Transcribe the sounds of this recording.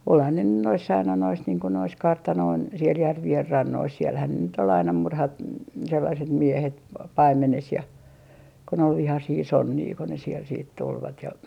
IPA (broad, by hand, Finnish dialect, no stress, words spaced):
olhɑn ne nyn noisː ɑinɑ nois niːŋ ko nois kɑrtɑnoin siel jærʋien rɑnːois sielhæn ne nyt ol ɑinɑ murhɑt selːɑset miehet pɑimːenes jɑ kon ol ʋihɑsiː sonːiː ko ne siel siːt tulʋɑt jɑ